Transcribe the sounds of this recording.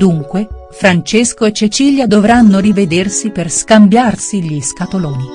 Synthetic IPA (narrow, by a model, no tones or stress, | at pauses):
d̪uŋkwe | fɾant͡ʃeskoet͡ʃːet͡ʃiːljad̪ovɾanːoɾived̪ersiperskambjarsiʎiskat̪olɔːni